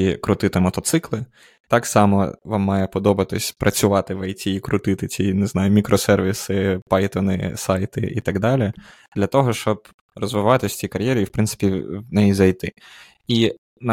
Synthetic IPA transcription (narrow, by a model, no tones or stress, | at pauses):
ikɾʊt̪ɪt̪ɛmɔt̪ɔt̪sɪklˠɪ | t̪ɑksɑmɔ̰ʋɑmːɑjɛpɔd̪ɔbɐt̪ɪsʲpɾʔɐt͡sʲʊʋɑt̪ɪʋɐjtʲiikɾʊt̪ɪt̪ɪt͡sʲinɪznɑjʊmʲikɾɔsɛrʋʲisɪpɑjt̪ɔnɪ̰sɑjt̪ɪ̰ʔḭt̪ɑɡd̪ɑlʲi | d̪̥lʲɐt̪ɔɦɔʃt͡ʃɔb̚ | rɔzʋɪʋɑt̪ɪsʲt͡sʲikɐɾʲjɛɾʲiiwpɾɪnsɪ̥pʲiʋnɛjizɐjt̪ɪ | i | nɐ